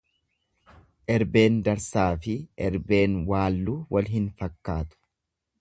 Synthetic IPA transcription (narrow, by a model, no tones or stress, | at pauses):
ʔɛɾbe̞ːnd̪ɐɾsaːfɪʔɛɾbe̞ːnwaːlːuːwɐlɦɪnfɐkːaːt̪ʊ̥